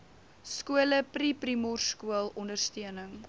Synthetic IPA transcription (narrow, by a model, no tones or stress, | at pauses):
skuələpriprimɔrskuəlˠɔndərstiənəŋ